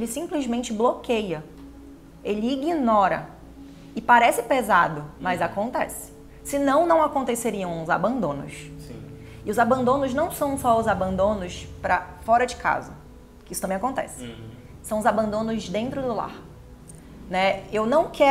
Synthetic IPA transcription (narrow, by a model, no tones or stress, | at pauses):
elɪsĩplɪzmẽnt͡ʃɪblokejɐ | elɪiɡinɔɾɐ̰ | ɪpaɾɛsɪpezad̪ʊmɐjzakõnt̪ɛ̰sɪ̥ | sɪnɐ̃w̃nɐ̃w̃akõnt̪eseɾiɐ̃w̃ʊza̰bɐ̃nd̪õnʊ̰ssḭ̃ | ɪʊzabɐ̃nd̪õnʊznɐ̃w̃sɐ̃w̃sɔʊzabɐ̃nd̪õnʊspɾɐfɔɾɐd͡ʒɪkʰa̰zʊ | kɪisʊ̥t̪ɐ̃mbẽakõnt̪ɛ̰sɪ̥ | sɐ̃w̃ʊzabɐ̃nd̪õnʊzd̪ẽnt̪ɾʊd̪ʊla̰ɾ | nɛewnɐ̃w̃kɛ